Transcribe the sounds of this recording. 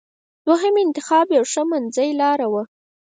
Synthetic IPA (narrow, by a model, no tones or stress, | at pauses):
d̪̥waɦəmɪnt̪ɪxɑbjawʂəmanzəjlɑɾawə